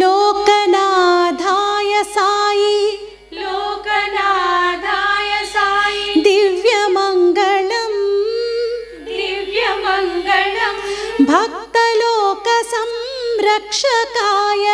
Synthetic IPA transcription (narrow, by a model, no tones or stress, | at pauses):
loːkɐnaːd̪ʱaːjɐsaːji | loːɐnad̪ʱaːjɐsaːjid̪iʋjɐmɐŋɡɐɭɐm | iʋjɐmɐŋɡɐɭɐmbʱɐk̚t̪ɐloːkɐsɐmɾɐkʂɐkaːjɐ